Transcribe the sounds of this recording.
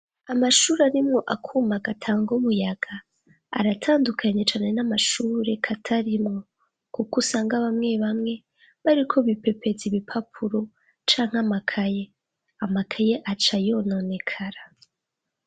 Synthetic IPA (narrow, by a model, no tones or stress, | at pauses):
amaʃuːɾaɾimŋo̞ʔakʰuːmaɡatʰaːŋɡumujaɡ̥a̰ː | ɾatʰaːndukʰaɲet͡ʃaːne̞namaʃuːɾe̞kʰatʰaɾimŋo̞ | kukusaːŋɡaβamŋe̞βamŋe̞ | βaɾikʰo̞βipe̞pʰe̞ziβipʰapʰuɾo̞ | t͡ʃaːŋ̥hamakʰaje̞ | amakʰaje̞ʔat͡ʃajo̞no̞ne̞kʰaɾa